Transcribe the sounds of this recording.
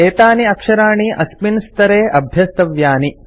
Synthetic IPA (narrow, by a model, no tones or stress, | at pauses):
eːt̪aːniɐkʂɐɾaːɳiʔɐspinst̪ɐɾeːʔɐbʱjɐst̪ɐʋjaːni